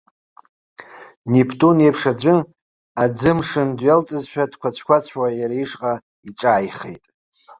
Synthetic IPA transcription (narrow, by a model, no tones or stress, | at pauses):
nipʰtʼunejpʰʂad͡ʒʷɨ | ad͡zɨmʂɨndɥalt͡sʼɨzʃᶣad̥kʷʰat͡ɕʷʰkʷat͡ɕʷʰwajaɾaiʂqʼa | iʈ͡ʂʼaːjχḛjtʼ